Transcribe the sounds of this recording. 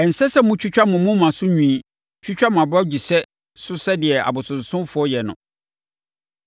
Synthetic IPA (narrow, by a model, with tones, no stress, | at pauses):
ɛ˨n̩˨sɛ˦sɛ˦mʊ̃˦t͡ɕʰᶣu˦t͡ɕᶣa˦mʊ̃˨mʊ̃˦mã˨sʊ˦ɲᶣũ˦i˦ | t͡ɕʰᶣu˦t͡ɕᶣa˦mʊ̃˨a˨ba˦d͡ʑi˨sɛ˦ | sʊ˦sɛ˦dɪ˨ɛ˨ʔa̰˨bʊ˨sʊ̃˨n˨sʊ̃˦mfʊ˨˦ɔ˦jɛ˨nʊ̰̃˨